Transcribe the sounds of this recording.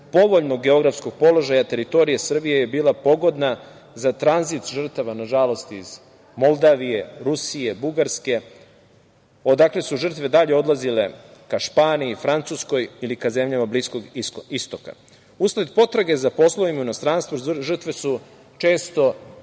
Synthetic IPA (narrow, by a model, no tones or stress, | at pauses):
po̞ʋo̞ʎno̞ɡɡeo̞ɡɾafsko̞ɡ̚po̞lo̞ʒajat̪e̞ɾit̪o̞ɾijesr̩bijeje̞biːlapo̞ɡo̞d̪na | zat̪ɾanzit̪ʒr̩t̪aʋanaʒalo̞st̪iiz | mo̞lˠd̪aʋije̞ɾusije̞buɡaɾske̞ | o̞d̪akle̞suʒər̩t̪ʋe̞d̪aʎe̞o̞d̪lazile̞kaʃpaːniifɾant̪susko̞jilikaze̞mʎamablisko̞ɡoist̪o̞ka̰ | usled̪po̞t̪ɾaɡe̞zapo̞slˠo̞ʋimaunost̪ɾanst̪ʋoʒr̩t̪ʋe̞su | t͡ʃe̞ːst̪o̞